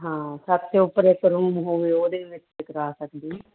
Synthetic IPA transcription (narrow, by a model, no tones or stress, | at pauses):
ɦãːsəbt̪eʊpːəɾekəɾũːmɦoːʋeːoːd̪eːʋɪt͡ʃɪkəɾaːsək̚d̪iː